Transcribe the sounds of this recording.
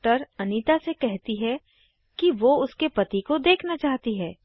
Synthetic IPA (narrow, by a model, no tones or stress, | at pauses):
ʈəɾɐniːt̪asekɛɦt̪iɦɛ | kiʋoʊskepɐt̪ikod̪eːkʰnat͡ʃaːɦt̪iɦɛː